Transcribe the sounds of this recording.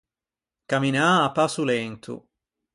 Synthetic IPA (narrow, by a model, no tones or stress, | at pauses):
kaminaːpːasulɛnt̪ʰṵ